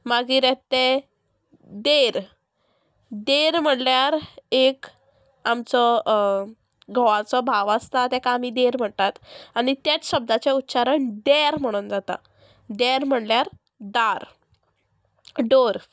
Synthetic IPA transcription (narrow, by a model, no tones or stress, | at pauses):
maɡiːɾɛt̪e | d̪eɾ | d̪eɾm̤əɽljaɾek | amt͡sɔ | ɡʱɔ̃ʋat͡sɔbʱaʋast̪at̪ɛkãːmid̪eɾm̤əɳt̪at̪aɽ̃it̪jat͡sɕəb̚d̪ʱat͡ɕeut̪ːɕaɾəɳɖ̪eɾm̤əɽ̃uːnd͡zat̪a̰ | d̪eɾm̤əɽljaɾ | d̪aɾ | ɖoɾ